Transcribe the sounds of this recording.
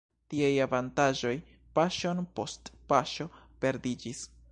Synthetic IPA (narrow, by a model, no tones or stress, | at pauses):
tiajavantaʒo̞j | paʃo̞npo̞stpaʃo̞ | pe̞ɾdid͡ʒis